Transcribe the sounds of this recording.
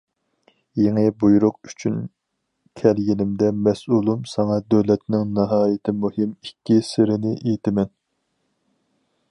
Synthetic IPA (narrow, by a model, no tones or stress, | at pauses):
jeŋɨbujuɾʊqy̥t͡ʃʰyn | kʲʰɛlɡʲinɪmd̪ɛmɛsʔulˠumsɑŋɑd̪øwlɛt̪nɪŋnɑɦɑːjɪt̪ʰɪmuhɪmikʲːisɪɾɪnɪʔejt̪ʰɪmɛn